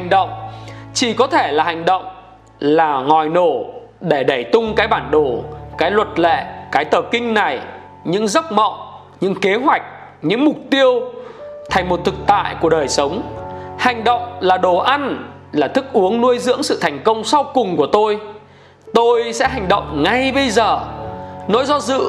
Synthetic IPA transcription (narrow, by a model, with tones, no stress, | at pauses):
ha˨˩ŋ̟ɗə̰˧˨wŋ͡mt͡ɕi˧˩kɔ˨˦t̪ʰe˧˩laː˨˩ha˨˩jŋ̟ɗə̰˧˨wŋ͡m | laː˨˩ŋɔ˨˩jno˧˩ | ɗe˧˩ɗə˧˩jt̪ʊ˧ŋ͡mkaː˨˦jɓaː˧˩nɗo˧˩kaː˨˦jlwə˨˩t̚lḛ˧˨kaː˨˦jt̪əː˨˩p̚kï˧ŋ̟na˨˩j | ɲɨ̰˧˥ŋzə˦˥p̚mə̰˧˨w | ɲɨ̰˧˥ŋke˨˦ɦwa˨˩jk̟̚ | ɲɨ̰˧˥ŋmʊ˨˩k͡p̚t̪i˧əwt̪ʰa˨˩jŋ̟m˨˩t̚t̪ʰɨ˨˩k̚t̪a̰ː˧˨jku˧˩əɗəː˨˩jsə˨˦wŋ͡mha˨˩jŋ̟ɗə̰˧˨wŋ͡mlaː˨˩ɗo˨˩ʔa˧n | laː˨˩t̪ʰɨ˦˥k̚ʔu˨˦əŋnu˧əjzɨ̰˧˥əŋsɨ̰˧˨t̪ʰa˨˩jŋ̟kə˧wŋ͡msa˧wkʊ˨˩ŋ͡mku˧˩ət̪o˧j | t̪o˧jsɛ̰˧˥ɦa˨˩jŋ̟ɗə̰˧˨wŋ͡mŋa˧˩jɓə˧jzəː˨˩no̰˧˥jzɔ˧zɨ̰˧˨